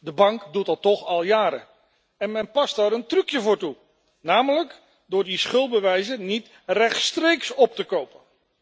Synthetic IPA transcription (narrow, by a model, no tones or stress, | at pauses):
dəbɑŋkdutɑtɔχɑlˠjaːɾə̰ | ɛnmɛnpɑstaːɾəntrʉkjəvʊːɹtu | naːmələk | dʊːɹdisχɵlˠt̚bəʋɛjzənit | rɛχtstrejksɔp̚təkowpən